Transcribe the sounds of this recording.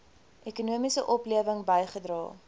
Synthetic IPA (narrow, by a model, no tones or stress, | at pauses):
ʔɛkunuəmisəʔɔpliəvəŋbəjχədrɑ̰ː